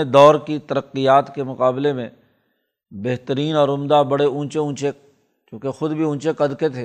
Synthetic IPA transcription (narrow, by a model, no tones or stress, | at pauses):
ed̪ɔːɾkit̪əɾəqːijaːt̪kemʊqaːblemẽ | beɦt̪əɾiːnɔːɾʊmd̪abɐɽeũːt͡ʃeũːt͡ʃe | kjõːkexʊd̪bʱiũːt͡ʃekɐd̪ket̪ʰeː